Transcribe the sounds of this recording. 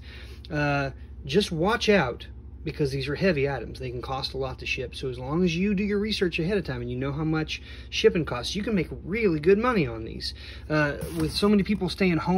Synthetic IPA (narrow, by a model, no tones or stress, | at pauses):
d̥ʒ̥ʌst̚wɑt͡ʃaʊt̚ | b̥ɨkʰʌzðizə˞hɛviaɪɾɨ̰̃m̩zðeɪkn̩kʰɔstəlɔttʰɨʃɪpsoʊəzlɔ̃ŋɨzjɨdɨjə˞ɹisɜ˞t͡ʃɨɦɛɾɨv̥tʰãɪ̃mɨ̃njɨnoʊɦaʊmʌt͡ʃ | ʃɪpɪ̃ŋkʰɔstsjɨkn̩meɪkɹɪlˠiɡʊd̚mʌniə̃nðḭz̥ | wɪð̥soʊmɛnipʰipl̩ˠsteɪɨ̃ŋhõ